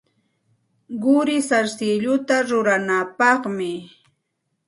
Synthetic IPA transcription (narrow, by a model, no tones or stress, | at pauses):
ɢʊɾɪsaɾsɪʎʊt̪aɾʊɾanapɑχmɪ